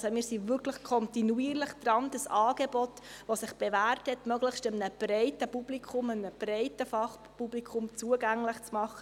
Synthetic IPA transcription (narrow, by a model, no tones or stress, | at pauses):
somiːɾsivʏɾkʰləχkʰɔntinuiːəɾləχd̥ɾɑnd̥əsɑːɡ̥ebɔtʋosɪχb̥evæːrthɛtmœɡləχʃtəmnəb̥rɛɪtəpub̥likʰʊməmnəb̥rɛɪtəfɑχ | publikʰʊmt͡suəɡæŋləχt͡smɑχːə